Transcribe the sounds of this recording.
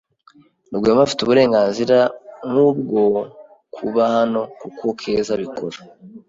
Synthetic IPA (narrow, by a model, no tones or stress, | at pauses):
nubɡweːmafi̥tuβuɾe̞ːŋɡaːnziɾamŋub̚ɡo̞ | kʰuβahano̞kukokʰe̞ːzaβikoɾa